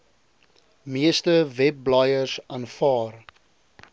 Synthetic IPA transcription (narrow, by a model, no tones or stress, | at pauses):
miəstəvɛp̚ːlajərsɑnfɑːr